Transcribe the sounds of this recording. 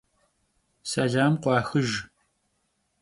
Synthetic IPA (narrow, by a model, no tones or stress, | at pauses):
sɐɮaːmqʷɑːxɨʒ